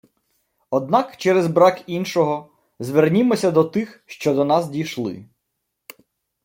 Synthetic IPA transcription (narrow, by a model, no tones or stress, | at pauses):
ɔd̪̚nɑkt͡ʃɛɾɛzbɾɑkinʃɔɦɔ | zʋernʲimɔsʲɐd̪ɔt̪ɪxʃt͡ʃɔd̪ɔnɑzdʲiʃlˠɪ̰